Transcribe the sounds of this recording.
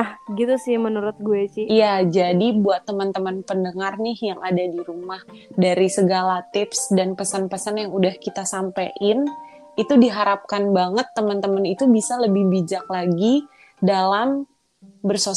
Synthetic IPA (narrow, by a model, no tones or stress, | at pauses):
ahɡit̪usɪhmənuɾʊt̪̚ɡuesɪhijad͡ʒadibuat̪ːəmənt̪əmənpəndəŋarnɪhjaŋadadiɾumah | daɾisəɡalat̪ɪpsdanpəsənpəsənjaŋudahkit̪asampaʔɪn | it̪udiɦaɾap̚kanbaŋət̪ːəmənt̪əmənit̪ubisaləbɪhbid͡ʒak̚laɡi | dalam | bərso